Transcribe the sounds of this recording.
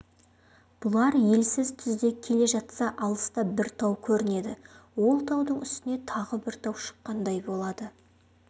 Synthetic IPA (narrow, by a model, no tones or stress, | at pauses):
b̥ʊlˠɑɾje̞lsɪzt̪ʰʏzd̪e̞kʲʰe̞le̞ʒɑt̪sɑʔɑlˠəst̪ɑbɪɾt̪ʰɑwkʲʰɵɾɪne̞d̪ɪwo̞lˠt̪ʰɑwd̪əɴʏst̪ɪne̞t̪ʰɑʁəbɪɾt̪ʰɑwʃə̥qːɑnd̪ɑjbo̞lˠɑd̪ə